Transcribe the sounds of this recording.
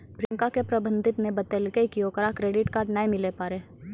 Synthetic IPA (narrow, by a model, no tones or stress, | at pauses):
bɾɪ̃ŋkakepɾɐbə̃nd̪ʱɪt̪nebɐt̪elkeikijokəɾakɾeːɖɪʈkaːɾɖnaẽmɪlepaːɾeː